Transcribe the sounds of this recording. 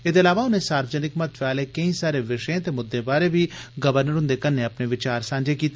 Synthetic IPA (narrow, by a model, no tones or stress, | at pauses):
ɪd̪ɪlaːʋaʊnɦẽsaːɾbzənɪkmɐt̪faːlekɐĩsaːɾeʋɪʃjẽt̪emʊd̪ːebaːɾebʱiɡɐʋəɾnəɾɦʊ̃nd̪ekɐnːeɐpneʋɪt͡ʃaːɾsãːɲd͡ʒekiːt̪ː